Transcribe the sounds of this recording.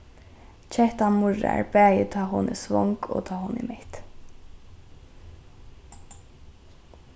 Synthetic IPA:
t͡ʃʰɛht̪anmʊɹa̰ɹbæːjɪt̪ʰɑːɦʊnɛsʋɔŋkɔ̰ːt̪ʰɑːɦʊnɪ̰ːmɛht̪

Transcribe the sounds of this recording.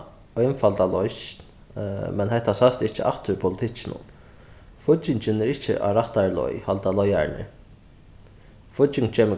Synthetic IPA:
œjnfalt̪alɔjʃn | mɛnɦɛht̪ːasœst̪ɪht͡ʃːəʔa̰ht̪ʏɾpʰʊlɪt̪ʰɪt͡ʃːɪnʊ̰n | fʊt͡ɕːɪɲt͡ʃɪnɛɾɪht͡ʃɪ̰ʔa̰ɾaht̪aɹlɔ̰jhalt̪alɔja̰ɹnɪ̰ | fʊtːɪŋkt͡ʃʰeːmə

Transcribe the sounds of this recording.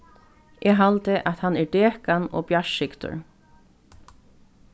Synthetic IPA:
ʔɛɦalt̪ɪʔat̪hanɛɹɖeːkanɔ̰bjaʃɪkt̪ʊ̰ɹ

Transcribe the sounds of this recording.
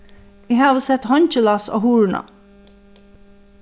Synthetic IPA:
iːhɑːʋəsɛt̪hɔnçəlɑso̰ːhuːɹɳɑ̰

